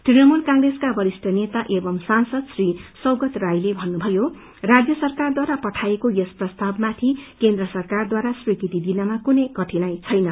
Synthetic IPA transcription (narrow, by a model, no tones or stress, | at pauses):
t̪rinʌmulkaŋɡreskabʌɾisʈʰʌnet̪aʔebʌmsansʌd̪srisʌwɡʌt̪rajlebʱʌnːubʱʌjo | rad͡zjʌsʌrkard̪waɾapʌʈʰajekojesprʌst̪ʰabmat̪ʰikend̪rʌsʌrkard̪waɾaswikit̪id̪inʌmakunʌjkʌʈʰinajt͡sʰʌjnʌ